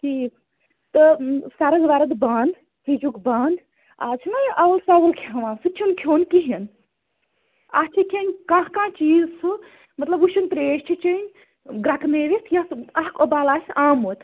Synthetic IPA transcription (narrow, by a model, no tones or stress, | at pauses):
ʈʰiːk | t̪ɨsaɾɐzʋaːɾɐd̪baːnd̪ | hʰid͡ʒukbaːnd̪ | a̰t͡ʃʰinajʔɐwlsawɐlkʰːʋãːsɨt͡ʃʰunkʲʰjoːnkiɦin | at͡ʃʰikʰʲenʲkãːɦkãːt͡ʃiːzsɨ | mɐt̪lɐbuʃunp̪ɾeːʃt͡ʃʰit͡ʃɐnʲ | ɡɾakneːɾit̪ʰjɐɐɦkobaːlaːsʲaːmot̪